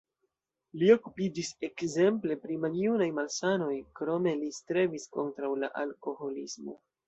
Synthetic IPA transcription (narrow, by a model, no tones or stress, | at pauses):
lio̞kupid͡ʒise̞kze̞mple̞pɾimalijunajmalsano̞jkɾo̞me̞listɾe̞visko̞ntɾawla̰ʔalko̞ho̞lismo̞̰